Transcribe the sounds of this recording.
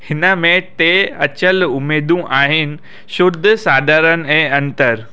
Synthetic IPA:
hɪnəmẽt̪eɐt͡ɕəlʊmeːd̪ʱũʔaːɦɪnɪ̆ | ʃʊd̪ʱːsaːd̪ʱaːɾənɛ̃ːɐ̃nt̪əɾ

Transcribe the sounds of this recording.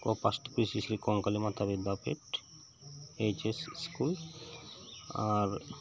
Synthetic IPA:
kopasʈpɾisisɾikɔŋkalimat̪ʰabid̪bapeʈ | et͡ʃesskul | aɾ

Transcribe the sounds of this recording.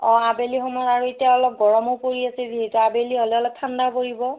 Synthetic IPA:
ɔ̃abelixɔmɔaɹuetijaɔlɔp̚ɡɔɹɔmopoɹiasɛziɦɛtuabeliɦɔlɛɔlɔk̚tʰandapoɹibɔ

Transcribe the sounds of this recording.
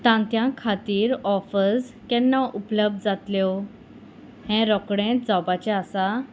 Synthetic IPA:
t̪ãnt̪jãkʰat̪iːɾɔfəskɛ̃nːaʔupləb̚d̪d͡zat̪ljɔ | hɛ̃ɾɔkɽẽt̪̚d͡zɔbat͡ɕɛasa

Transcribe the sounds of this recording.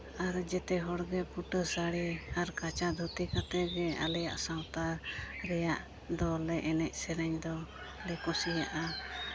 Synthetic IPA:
aɾd͡ʒɛt̪ɛɦɔɽɡɛpuʈəsaɽiaɾkat͡ʃad̪ʱut̪ikat̪ɛɡɛa̰lɛja̰ʔsawt̪aɾɛjaʔ | d̪ɔlɛʔɛnɛc̚ˀsɛɾɛɲd̪ɔ | lɛkosijaʔa

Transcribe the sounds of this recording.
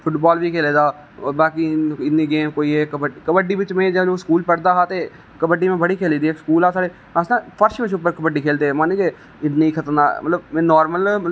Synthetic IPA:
pʰʊʈbaːlbiːkʰeːleːd̪aː | baːkiɪnniːɡeːmkoːiːɦɛːkəbəɖkəbəɖiːʋɪt͡ʃmẽːd͡ʒəloːskuːlpəɽd̪aːɦaːt̪eː | kəbəɖiːmẽːbəɽiːkʰeːliːd̪iːeːkskuːlaːsaːɽe | əsnãpʰəɾʃmɪ̃t͡ʃʊp̬ːəɾkəbəɖiːkʰeːlt̪eːɛmãːnĩke | ɪnniːkʰət̪ənd̪aːmə̰t̪ləb̃ːnɔːɾməlm

